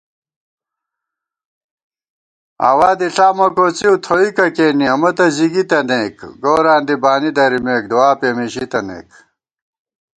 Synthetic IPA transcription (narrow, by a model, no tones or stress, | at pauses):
a̰ːwaːd̪iɬaːmɐkoːt͡siut̪ʰoikɐkeːniɐmɐt̪ɐziɡit̪ɐneːkɡoːɾaːnd̪ibaːnid̪ɐɾimeːk̚d̪uwaːpeːmiɕit̪ɐnḛːk